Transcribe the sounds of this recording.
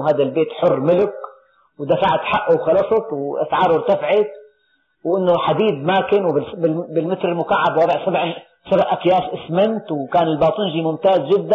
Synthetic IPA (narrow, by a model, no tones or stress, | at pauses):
ɦaːd̪albeːt̪ħʊrːmɪlɪk | wd̪afaʕt̪ħaʔʔuwxɑlɑsˤɑt̪wʔa̰sʕɑːɾˤwɪɾt̪afʕɪt̪̚ | wʔɪnːoħad̪iːd̪̚maːkɪnwɪbɪbɪlmɪt̪ɾɪlmʊkaʕːabwɑːd̪ˤɪʕsabʕ | sabʔakjaːsʔɪsmɪnt̪wkaːnɪlbɑːt̪ˤiːnʒiːmʊmt̪aːzʒɪd̪ːa